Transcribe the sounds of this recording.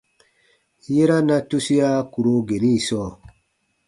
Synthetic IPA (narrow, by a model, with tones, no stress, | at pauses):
je˦ɾa˦na˦tu˦si˦a˦ku˨ɾo˦ɡe˨ni˦˨sɔː˦˨